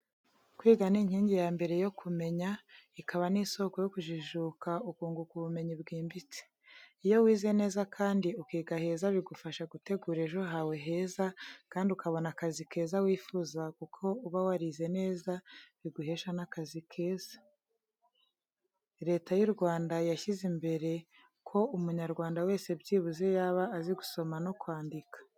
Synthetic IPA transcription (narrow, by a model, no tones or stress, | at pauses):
kwiːɡaniɲ̥hiːɲɟijaːmbe̞ɾe̞jo̞kʰume̞ɲa | ikʰaβaniːso̞ko̞jo̞kuʒiʒuːkaukuːŋɡukuβume̞ɲibɡiːmbit͡se̥ | ijo̞wiːze̞ne̞ːzakʰaːndiukiːɡahe̞ːzaβiɡufaʃaɡute̞ɡuɾe̞ʒo̞ɦawe̞ɦe̞ːzakaːndiukaβo̞nakazike̞ːzawiːfuzakukʰo̞uβawaɾize̞ne̞ːzaβiɡuhe̞ːʃanakazikʰe̞ːz̥ḁ | ɾe̞ːtajuɾɡwaːndajaʃizimbe̞ɾe̞ | kʰo̞umuɲaɾɡwaːndawe̞ːse̞bɟiːβuze̞jaβaːziɡuso̞mano̞kwaːndikḁ